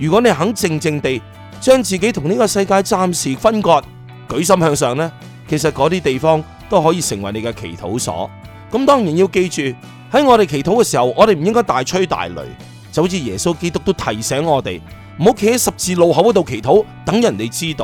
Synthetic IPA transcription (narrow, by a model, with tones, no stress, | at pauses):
jyː˨kɔː˨˥ne˨˧jɦɐ˨˥ŋt͡sɪ˧ŋt͡sɪ˧ŋt̪e˨j | t͡ʃœː˥ŋt͡siː˨ke˨˥jt̪ʰʊ˨˩ŋniː˥kɔː˧sɐ˧jkaː˧jt͡saː˧˥msiː˨fɐ˥nkɔː˧t̚ | kɵ˨˥ɥs̬ɐ˥mhœː˧ŋsœː˨˧ŋlɛː˥ | kʰe˨˩s̬ɐ˨t̚kɔː˨˧˥t̪iː˥t̪e˨jfɔː˥ŋ | t̪o˥wɦɔː˨˥jiː˧sɪ˨˩ŋwɐ˨˩jne˨˧jkɛ˧kʰḛ˨˩jt̪ʰo̰˨˥wsɔ̰ː˨˥ | kɐ˨˥mt̪ɔː˥ŋjiː˨˩nji˧wke˧jt͡ʃyː˨ | hɐ˨˥jŋɔː˨˧ɾe˨jkʰe˨˩jt̪ʰo˨˥wkɛː˧siː˨˩hɐ˨wɔː˨˧e˨jm̩˨˩˨jɪ˥ŋkɔː˥jt̪aː˨jt͡ʃʰɵ˥t̪a̰ː˨jlɵ̰˨˩ɥ | t͡sɐ˨˥wt͡siː˨˩jɛː˨˩so˥wke˥t̪ʊ˥k̪̚o˥wt̪ʰɐ˨˩jsɛː˨˥ŋɔː˨˧t̪e˨j | m̩˨˩ho˨˥wkʰe˨˥ɪ˥sɐ˨p̚t͡siː˧lo˨˧wɦɐ˨˥wɐ˧˥t̪o˨˧wkʰe˨˩jt̪ʰo˨˥w | t̪ɐ˨˥ŋjɐ˨˩nt̪e˨˧jt͡siː˥t̪o˧w